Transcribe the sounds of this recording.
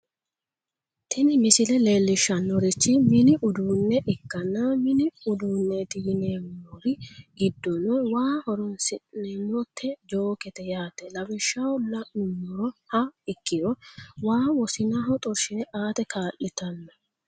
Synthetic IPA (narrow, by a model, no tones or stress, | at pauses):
t̪ʰɪnɪmɪsɪlɛle̞ːlːɪʃːɐnːɔɾɪt͡ʃːɪmɪnɪʔʊd̪uːnːɛʔɪkːɐnːamɪnɪʊd̪uːnːɛt̪iɪneːmɔɾɪɡɪd̪ːɔnɔwaːhɔɾɔnsɪnɛmɔt̪ʰːɛd͡ʒo̞ːkɛt̪ɛjaːt̪ɛlɐbɪʃːawɔlɐnʊnːɔɾɔhɐɪkːɪɾɔwaːwɔsɪnaɦɔt̪ʼɔɾʃɪnɛʔaːt̪ɛkʰaːʔɪt̪ɐnːɐ